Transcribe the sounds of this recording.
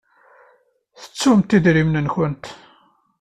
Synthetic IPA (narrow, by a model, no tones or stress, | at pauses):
θə̥t͡sːumt̪iðɾimnənçənt̪